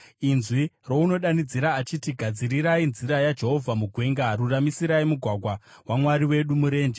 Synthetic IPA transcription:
inzwiro̞uno̞ɗanid͡ziɾaːt͡ʃitiɡʱad͡ziɾiɾainziɾajad͡ʒe̞ɦo̞vʱamuɡʱwe̞ŋɡaɾuramisiɾaimuɡʱwaɡʱwa | wamwaɾiwe̞ɗumuɾe̞ːnd͡ʒe

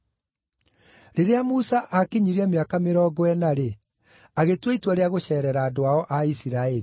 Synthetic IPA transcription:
ɾeɾeamusaʔakeɲiɾeɛmeakameɾɔːɡowɛnaɾe | aɣetweitwaɾeaɣoɕɛːɾɛɾaːdoaɔʔaisiɾaɛɾi

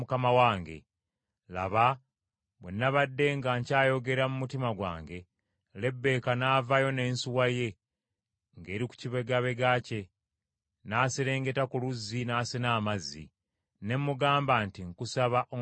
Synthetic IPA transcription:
ukamawaːŋɡe̞̰ | la̰βa | βwenːaβadːe̞ŋɡaɲcaːjo̞ɡe̞ɾamumutimaɡwa̰ːŋɡe̞ | le̞bːe̞ːkanaːvajo̞ne̞ːnsuwaje̞ | ŋɡe̞ːɾiku̥ciβeɡaβe̞ɡace̞ | naːseɾe̞ːŋɡe̞takuluzːinaːsenaːmazːḭ | ne̞mːuɡaːmbantiŋkusaβaʔo

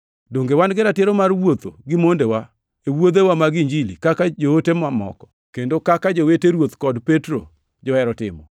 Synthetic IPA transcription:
doŋɡewanɡɪɾatɪɾɔmarwot̪o̰ɡɪmondewa | ewod̪ewamaɡiɲd͡ʒilikakad͡ʒootemamɔ̰kɔ̥ | kendokakad͡ʒoweteɾwot̪kɔdpetɾo̰ | d͡ʒɔɛɾɔtɪ̰mɔ̰

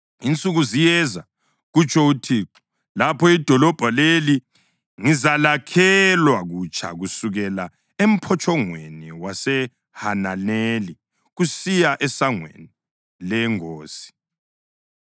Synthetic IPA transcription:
int͡sʼuɣuzijɛza | ɣut͡ʃʰʼɔutʰiǁɔ̥ | lapʰɔid̥ʱɔlɔb̥ʱaleli | ŋizalakʰɛlwaɣut͡ʃʰʼa̰ɣusuɣɛla | em̩pʰɔt͡ʃʼɔŋweniwasɛ | hananeli | ɣusijaʔɛsaŋwḛni | lɛŋoːsi̥

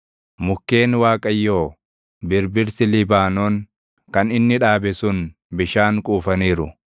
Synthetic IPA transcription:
mʊkːe̞ːnwaːkʼɐjːoː | bɪɾbɪɾsɪlɪbaːnoːŋ | kɐnɪnːɪᶑaːbɛsʊn | bɪʃaːŋkʼuːfɐniːɾʊ̰

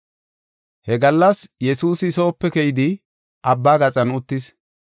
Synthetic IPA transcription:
hɛɡɐlːɐsjɛsuːsɪso̞ːpːɛkɛjɪd̪ɪ | ʔɐbːaːɡɐt͡sʼɐnʊt̪ːɪs

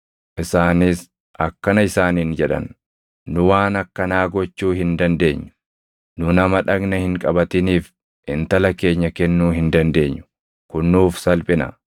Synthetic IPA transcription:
ʔɪsaːnɪs | ʔɐkːɐnɐɪsaːniːnd͡ʒɛᶑɐ̰nː | ʊwaːnɐkːɐnaːɡɔt͡ʃːuːhɪnd̪ɐnd̪e̞ːɲːʊ̥ | nʊnɐmɐᶑɐɡnɐhɪŋkʼɐbɐt̪ɪniːf | ʔɪnt̪ɐlɐke̞ːɲːɐkɛnːuːɦɪnd̪ɐnd̪e̞ːɲːʊ̥ | kʊnːuːfsɐlpʼɪnɐ̰

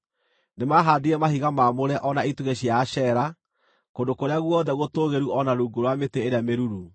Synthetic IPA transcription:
nemaɦaðiɾɛmahiɣamamoɾɛʔɔnaituɣeɕiaɕɛɾa | kondokoɾeaɣwɔðɛɣotoɣeɾuʔɔnaɾuɡoɾwameteːɾeameɾuɾu

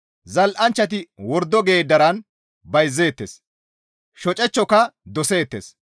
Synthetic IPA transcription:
zɐlʔɐnt͡ʃːɐt̪̬ɪwɔɾd̪ːɔɡe̞ːd̪ɐɾɐn | bɐjzːe̞ːt̪ːes | ʃɔt͡ʃʼɛt͡ʃːɔkɐd̪ɔse̞ːt̪ːes

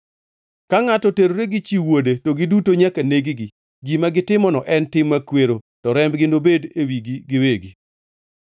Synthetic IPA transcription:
kaŋatɔteɾoɾeɡit͡ʃiwodetoɡɪdutoɲakaneɡiɡi | ɡimaɡɪtɪmɔnɔʔɛntɪmːakweɾo | tɔɾɛmbɡɪndobedewiɡiɡɪweɡi

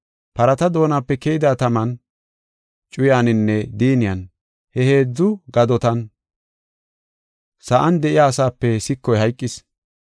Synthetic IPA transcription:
pɐɾɐt̪ɐd̪o̞ːnaːpːɛkejɪd̪aːt̪ɐmɐn | t͡ʃʼʊjaːnɪnːɛd̪iːnɪjɐn | hɛhe̞ːd͡zːʊɡɐd̪ɔt̪ɐn | sɐʔɐnd̪ɛʔɪjaːsaːpːɛsɪkːɔjhɐjkʼːɪs

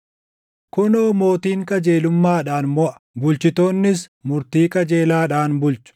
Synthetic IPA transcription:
kʊnoːmo̞ːt̪iːŋkʼɐd͡ʒe̞ːlʊmːaːᶑaːnmɔʔɐ̥ | bʊlt͡ʃɪt̪oːnːɪsmʊɾt̪iːkʼɐd͡ʒeːlaːᶑaːnbʊlt͡ʃʊ̥

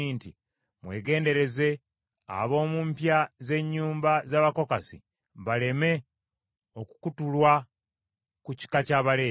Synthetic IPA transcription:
inti | mwe̞ːɡe̞ːnde̞ɾe̞ze̞ | a̰βo̞ːmuːmpjaze̞ɲːuːmbazaːβako̞kasḭ | βale̞me̞ | o̞kukutulwa | kuci̥kacaːβale̞ː

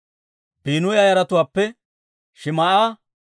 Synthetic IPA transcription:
biːnʊjaːjɐɾɐt̪ʊwaːpːɛ | ʃɪmɐʔaː

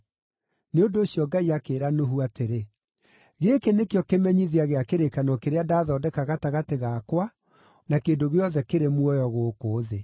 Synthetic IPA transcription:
neondoːɕjɔɡaiakeːɾanoɦuateɾe | ɣekenekejɔkemɛɲiðeaɣeakeɾekanɔkeɾeadaːðɔːdɛkaɣataɣateɣakwa | nakeːndoɣeɔðɛkeɾemwɔjɔɣoːkoːðe

